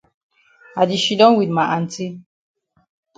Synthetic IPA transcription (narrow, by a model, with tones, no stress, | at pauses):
a˨di˨ʃi˨dɔ̃˦nwi˨dma˨ʔa˨n˨ti˦